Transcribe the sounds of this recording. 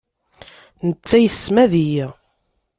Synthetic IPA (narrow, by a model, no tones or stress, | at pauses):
nət͡sːæjəθsːmæðijæ